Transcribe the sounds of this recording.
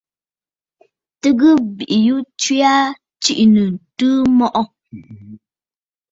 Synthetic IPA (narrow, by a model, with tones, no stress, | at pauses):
tɨ˦ɡə˦bi˨ʔi˨ju˦t͡ʃwi˦a˦ | t͡ʃi˦ʔnə˨n̩˨tɨ˦mɔ˦˨ʔɔ˦